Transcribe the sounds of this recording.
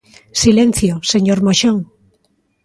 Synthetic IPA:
silẽn̟θjoseɲoɾmoʃoŋ

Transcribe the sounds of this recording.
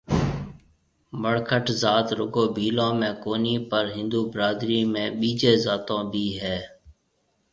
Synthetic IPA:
məɽkʰəʈzaːt̪ɾʊɡoːbʱiːlõːmẽːkoːniːpəɾɦɪ̃nd̪uːbɾaːd̪ɾiːmẽːɓiːd͡ʒeːzaːt̪õːbʱiːɦɛː

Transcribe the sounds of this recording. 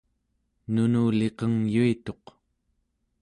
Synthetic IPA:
nunuːle̞qʌŋjuit̪o̞q

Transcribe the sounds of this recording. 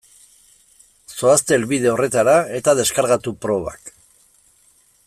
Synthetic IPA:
so̞ast̪e̞lβið̞e̞o̞re̞t̪aɾae̞t̪aðe̞skaɾɣat̪upɾo̞βa̰k

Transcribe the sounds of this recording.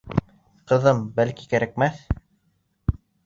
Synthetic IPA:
qɤ̆ðɤmbælki̥kæɾæk̚mæθ

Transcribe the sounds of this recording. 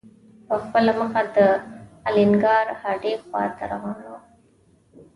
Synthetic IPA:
ʋɐfːɐlɐmɐkɐd̪ɐɐliŋɡaːɾhɐɖeːka̰ːt̪ɐɾɐɦono

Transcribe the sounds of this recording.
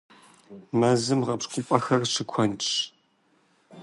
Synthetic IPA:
mɐzɨmʁɐpʂkʷʼʊpʼɐxɐrʂɨkʷʰɔnʈ͡ʂʼ

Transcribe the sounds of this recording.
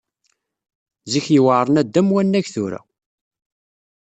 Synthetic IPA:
ziçjəwaʕɾˤənæd̪ːæmwænːæçθʊɾæ̰

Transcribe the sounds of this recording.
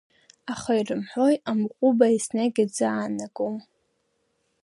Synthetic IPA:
aχairɨmħʷo̞jamʁʷʼʊbaisnaɡʲad͡zaːnaɡʼom

